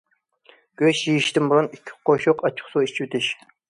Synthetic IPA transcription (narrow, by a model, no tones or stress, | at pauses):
ɡ̥ʲøʃjijiʃt̪ɪmbuɾunikʲʰːi̥qʰoʃoqɑt͡ʃʰɪ̥χsoit͡ʃʰyt̪ʰɪʃ